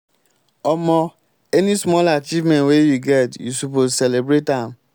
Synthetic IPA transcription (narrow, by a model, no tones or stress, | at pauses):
ɔmɔ̃ | ɛnĩsmɔlat͡ʃivmɛ̃ntwejuɡɛtjusupozsɛlebɾetãm